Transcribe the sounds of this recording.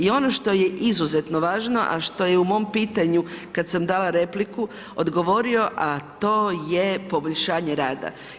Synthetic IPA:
io̞no̞ʃt̪o̞jeʔizuze̞t̪noʋaːʒno̞ʔa̰ʃt̪o̞je̞umo̞ːmpiːt̪aɲukad̪samd̪aːlaɾe̞pliku | od̪ɡo̞ʋo̞ɾio̞ʔat̪o̞ːjepo̞boʎʲʃaːɲeɾaːd̪a̰

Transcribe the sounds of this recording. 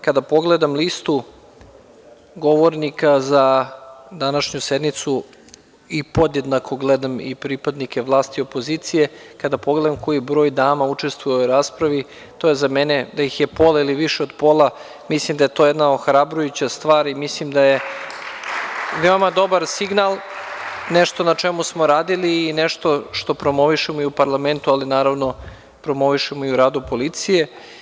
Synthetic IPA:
kad̪apo̞ɡle̞d̪amlist̪u | ɡo̞ʋo̞ɾnikaza | d̪anaʃɲused̪mit̪su | ipo̞d̪je̞d̪nakʰo̞ɡled̪amḭpɾipad̪nikeʋlˠaːst̪io̞po̞ziːt̪sije̞kad̪apo̞ɡle̞d̪amko̞jibɾo̞ːjd̪aːmaut͡ʂe̞st̪vʋujeoɾaːspɾaʋi | t̪o̞jezamened̪aixjepo̞lailiʋiʃeod̪po̞lˠa | mislimd̪aje̞t̪o̞jɛd̪naoxɾabɾojut͡ɕast̪ʋaːɾimislimd̪aje | ʋeomad̪o̞baɾsiɡnalˠ | neʃt̪o̞nat͡ʂemusmo̞ɾaːd̪iliːneʃt̪o̞ʃt̪o̞pɾo̞mo̞ʋiʃemoiupaɾlame̞nt̪ualinaːɾaʋno̞ | pɾo̞mo̞ʋiʃemoiuɾaːd̪upo̞lit̪sije̞

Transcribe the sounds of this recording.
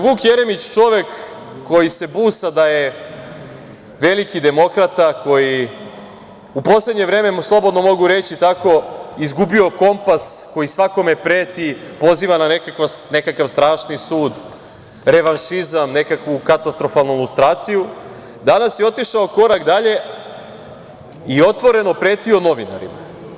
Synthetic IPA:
ʋuːkjeɾe̞mit͡ɕt͡ʃo̞ʋe̞kː | o̞jise̞buːsad̪aje̞ | ʋe̞likid̪e̞mo̞kɾat̪ako̞ji | upo̞sle̞d̪ɲe̞ʋɾe̞ːmeslˠo̞bo̞d̪no̞mo̞ɡuɾe̞t͡ɕit̪ako̞izɡubio̞ko̞mpasko̞jisʋako̞me̞pɾeːt̪ipo̞ziːʋanane̞kakʋane̞kakaʋst̪ɾaːʃnisuːd̪ | ɾe̞ʋanʃizamne̞kakʋukat̪ast̪ɾo̞falˠnuilˠust̪ɾaːt̪siju | d̪anasjeo̞t̪iʃaoko̞ɾakd̪aʎe̞ | io̞t̪ʋo̞ɾe̞no̞pɾe̞ːt̪io̞no̞ʋina̰ɾḭma̰

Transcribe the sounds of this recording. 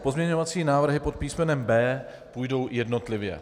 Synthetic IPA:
po̞zmɲɛɲo̞vat͡siːnaːvr̩ɦɪpot̪̚piːsmɛnɛmbɛː | puːjdo̞wjɛdno̞t̪lɪvjɛ̰

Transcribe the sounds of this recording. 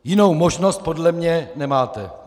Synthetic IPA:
jɪnowmoʒnost̪̚podlɛmɲɛnɛmaːt̪ɛ

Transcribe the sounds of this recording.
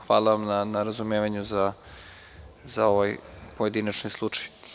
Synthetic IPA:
xʋaːlˠaʋamnanaɾazumeːʋaɲuza | zao̞ʋajpoje̞d̪inat͡ʃnojslˠut͡ʂḁj

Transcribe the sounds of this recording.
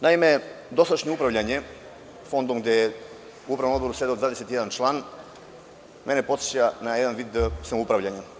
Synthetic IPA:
naime̞d̪o̞sad̪aʃɲeupɾaʋʎaɲe̞ | fo̞nd̪omɡd̪ʲeje | uupɾavnomo̞d̪boɾused̪aod̪vaːd̪eset̪ijeant͡ʃlˠaːn | me̞ne̞po̞t̪se̥t͡ɕanajed̪anʋid̪samoupɾaʋʎaɲa

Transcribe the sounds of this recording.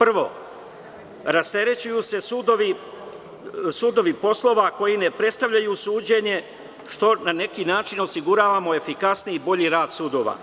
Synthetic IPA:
pr̩ʋo̞̰ | ɾast̪e̞ɾe̞t͡ɕujuse̞sud̪oʋi | suːd̪o̞ʋipo̞slˠo̞ʋako̞jine̞pɾe̞t̪st̪aʋʎajusuːd͡ʑe̞ɲe̞ | ʃt̪o̞nane̞kinaːt͡ʃino̞siɡuɾaːʋamo̞e̞fikasniːbo̞ʎiɾaːd̪̥suːd̪o̞ʋa̰

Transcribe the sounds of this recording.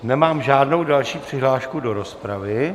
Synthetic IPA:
nɛmaːmʒaːdno̞wdalʃiːpr̝̥ɪɦlaːʃkudo̞ɾo̞spɾavɪ

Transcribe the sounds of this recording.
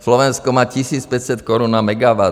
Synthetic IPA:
slɔʋɛnskɔmaːcisiːt͡spɛcsɛt̪kɔɾunamɛɡaʋa

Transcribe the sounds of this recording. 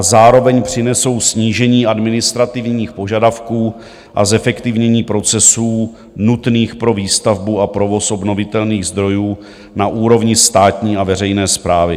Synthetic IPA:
azaːɾo̞vɛɲpr̝̥ɪnɛso̞wsɲiːʒɛɲiːadmɪnɪst̪ɾat̪ɪvɲɲiːxpo̞ʒadafkuː | ʔa̰zɛfɛkt̪ɪvɲɛɲiːpɾo̞t͡sɛsuː | nut̪niːxpɾo̞viːst̪avbuapɾo̞vo̞sʔo̞bno̞vɪt̪ɛlniːɣzd̪ɾo̞juː | naʔuːɾo̞vɲɪst̪aːt̪ɲiːavɛr̝ɛjnɛːspɾaːvɪ

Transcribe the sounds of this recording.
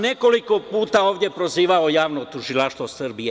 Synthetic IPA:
ne̞ko̞liko̞puːt̪aoːʋd̪ʲje̞pɾoziːʋaojaːʋnot̪uʒilaʃt̪ʋosrbie

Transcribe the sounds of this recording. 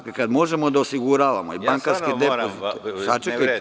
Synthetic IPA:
kekad̪mo̞ʒe̞mod̪aosiɡuɾaːʋamoiaŋkaɾsked̪epoziesat͡ʃekka

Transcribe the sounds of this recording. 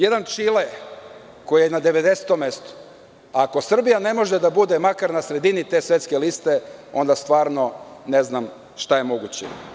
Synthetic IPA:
jed̪ant͡ʃile | ko̞jijenad̪e̞ʋe̞d̪e̞set̪omːe̞st̪o̥ | ako̞sr̩bijane̞mo̞ʒe̞d̪abud̪e̞makaɾnasɾe̞d̪init̪e̞ːsʋje̞t̪skelist̪e̞o̞̰nd̪ast̪ʋaːɾno̞ne̞znam | ʃt̪aje̞mo̞ɡut͡ɕḛ

